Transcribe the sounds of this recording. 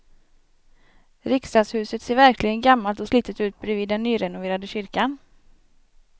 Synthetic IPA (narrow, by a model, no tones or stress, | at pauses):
ɾɪkst̪ɑːd̪shʉ̟ːsət̪seːɾvæɾklɪɡənɡamːalt̪ɔsliːt̪ət̪ʉ̟ːt̪̚bɾɛviːd̪ːɛnːyːɾɛnʊveːɾad̪əɕʏɾkan